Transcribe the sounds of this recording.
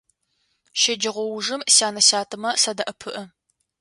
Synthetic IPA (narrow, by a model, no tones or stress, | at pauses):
ʃɪd͡ʒɪʁʷɔwʐɨmɕaːnɐɕaːtʰɨmɐsɐdɐʔɐpʰɨʔə